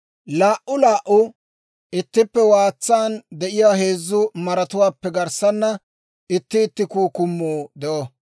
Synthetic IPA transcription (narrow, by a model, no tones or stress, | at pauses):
laːʔʊlaːʔʊ | ɪt̪ːɪpːɛwaːt͡sːaːnd̪ɛʔɪjaːɦe̞ːzːʊmɐɾɐt̪ʊwaːpːɛɡɐɾsɐnːɐ | ɪt̪ːɪːt̪ːɪkuːkʊmːuːd̪ɛʔɔ